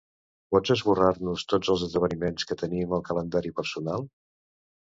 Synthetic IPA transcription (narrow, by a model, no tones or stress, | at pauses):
pɔd͡zəzβurarnust̪od͡zəlˠzəzðəβənimenskət̪əniməlˠkələnd̪aɾipəɾsunalˠ